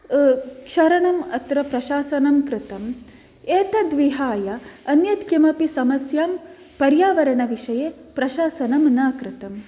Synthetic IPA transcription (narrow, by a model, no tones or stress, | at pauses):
kʂɐɾɐɳɐmɐt̪ɾɐpɾɐʃaːsɐnɐmkɾɪt̪ɐm | eːt̪ɐd̪ʋiɦaːjɐɐnjɐt̪kɐmɐpisɐmɐsjaːm | pɐɾjaːʋɐɾɐɳɐʋiʂɐjeːpɾɐʃaːsɐnɐmnɐːkɾɪt̪ɐm